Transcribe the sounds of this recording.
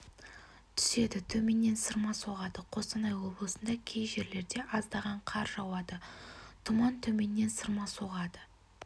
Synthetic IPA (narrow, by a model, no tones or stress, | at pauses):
t̪ʰʏ̥se̞d̪ɪt̪ʰɵme̞nːe̞nsəɾmɑso̞ʁɑd̪əqʰo̞st̪ɑnɑjwo̞blˠəsənd̪ɑkʲʰejʒe̞ɾle̞ɾd̪e̞ʔɑzd̪ɑʁɑɴqʰɑɾʒɑwɑd̪ət̪ʰʊmɑnt̪ʰɵme̞nːe̞nsəɾmɑso̞ʁɑd̪ə